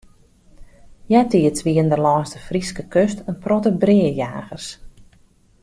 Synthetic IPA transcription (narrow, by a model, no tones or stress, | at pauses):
jɛtiətʋiəndəlɔːstəfriskəkøstənprɔtəbrɪəja̰ːɣərs